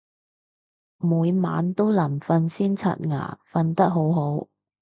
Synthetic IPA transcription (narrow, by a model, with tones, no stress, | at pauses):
muː˨˧jma̰ː˨˧˥nt̪o˥wlɐ˨˩mfɐ˧nsiː˥nt͡sʰɐ̰˧t̚ŋa̰ː˨˩fɐ˧nt̪ɐ˥k̚ɦo˨˥wɦo˨˥w